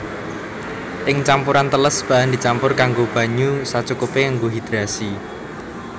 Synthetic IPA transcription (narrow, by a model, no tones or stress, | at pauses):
ʔɪŋt͡ʃampʊɾant̪ələsb̥a̤ɦand̪i̤t͡ʃampʊrkaŋɡob̥a̤ɲusat͡ʃukupeŋaŋɡoɦid̪̥ɾasi